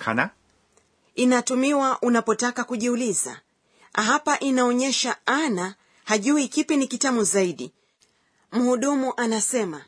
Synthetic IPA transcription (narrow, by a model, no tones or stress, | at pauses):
kʰana | inatumiwaʔunapɔtakakuʄiuliza̰ | ɦapaʔinaɔɲɛʃaana | haʄuikipinikitamuzaiɗi | m̩huɗumuʔanasɛma